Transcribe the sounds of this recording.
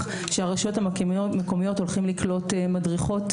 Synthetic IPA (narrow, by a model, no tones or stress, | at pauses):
χ | ʃeaʁaʃo̞thammeko̞mijo̞to̞lχimliklo̞temadʁiχo̞t